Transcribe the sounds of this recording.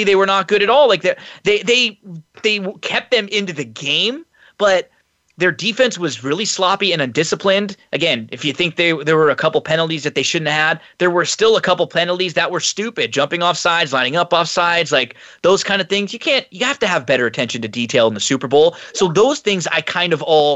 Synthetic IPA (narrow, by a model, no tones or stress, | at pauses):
iðeɪwə˞nət̚ɡ̥ʊɾɨɾɔlˠlaɪk̚ðə˞ðeɪðeɪðeɪkʰɛp̚t̪̚ðɨ̃mɪ̃ntʉðɨɡẽɪ̃m | b̥ʌt̪̚ | ðə˞difɛ̃nswʌzɹɪlˠislɑpiɨ̃nɨ̃ndɪsəpʰlɪ̃ndʔɨɡɛ̃nɨfjɨθɪ̃ŋk̚ðə˞ðə˞wə˞ɨkʰʌpl̩ˠpʰɛnl̩ˠtizðɨt̪̚ðeɪʃʊdⁿn̩t̚həd̪̚ðə˞wə˞stɪlˠəkʰʌpl̩ˠpʰɛnl̩ˠtizðɨʔ̚wə˞stʉpɨd̚d͡ʒʌ̃mpɪ̃ŋɔfsaɪdzlãɪ̃nɪ̃ŋʌpɔfsaɪdzlaɪk̚ | ðoʊz̥kʰãɪ̃ndɨvθɪ̃ŋzjɨkʰæ̃njɨhæftɨːvbɛɾə˞ɨtʰɛ̃nʃɨ̃n̩tɨditʰeɪlˠə̃n̩ðɨsʉpə˞boʊlˠsoʊðoʊz̥θɪ̃ŋza̰ɪkʰãɪ̃ndʌvɔlˠ